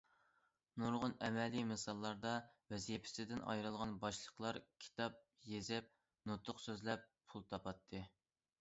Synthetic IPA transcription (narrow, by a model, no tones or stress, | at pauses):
nuɾʁʊnɛmɛlimɨsɑlˠːɑɾd̪ɑvɛzijpʰɪ̥sɪd̪ɪnɑ̰jɾɨlˠʁɑnbɑʃlˠəqlˠɑɾkʲʰi̥t̪ʰɑp̚ | jezɪp̚ | nut̪ʰʊqsøzlɛp̚pʰulˠt̪ʰɑpɑt̪ʰːɨ